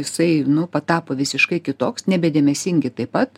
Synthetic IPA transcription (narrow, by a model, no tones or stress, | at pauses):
jɪsɐɪnʊpɐt̪ɑːpoːʋʲɪsʲɪʃkɐɪkʲɪt̪oːksnʲɛbʲɛd̪ʲeːmʲɛsʲɪŋʲɡʲɪt̪ɐɪpɐt̪